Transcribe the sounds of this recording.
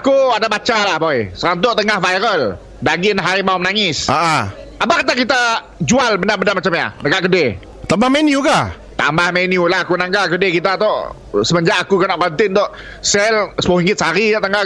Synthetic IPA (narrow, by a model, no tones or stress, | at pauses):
akuadabat͡ʃalahbojsəɾant̪̬ʊʔt̪əŋahvajɾəl | daɡinaɦaɾimaʊmnaŋɪsaʔa | abakat̪̬akit̪a | d͡ʒualbənarbəndarmat͡ʃamɲa̰dəkaʔkəde | t̪ambahmɛniuka | t̪a̰mbahmenjulahakunaŋɡakədekit̪at̪ɔʔ | səməɲd͡ʒaʔakukənaʔkɔnt̪ɪnt̪ɔʔ | sɛlsəpoiŋɡɪt̪saɾiaʔt̪əŋa